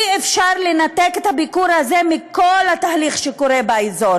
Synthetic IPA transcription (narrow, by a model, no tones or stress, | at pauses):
iefʃaʁlenat̪eket̪habikuɾazemiko̞lhat̪aːliχʃeko̞ɾebaezo̞ɾ